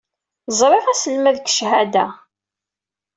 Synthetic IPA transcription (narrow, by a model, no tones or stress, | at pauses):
zˤɾˤeʁæsəlmæðkʃhæd̪æ